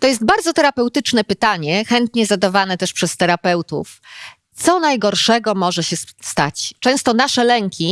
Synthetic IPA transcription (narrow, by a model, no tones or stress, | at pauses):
t̪ɔjɛst̪̚baɾd̪zɔt̪ɛɾapɛwt̪ɘt͡ʂnɛpɘt̪aɲɛxɛnt̪ɲɛzad̪avanɛt̪ɛʂpʂɛst̪ɛɾapɛwt̪ṵf | t̪sɔnajɡɔɾʂɛɡɔmɔʐɛɕɛst̪at͡ɕt͡ʂɛ̃w̃st̪ɔnaʂɛlɛŋkʲi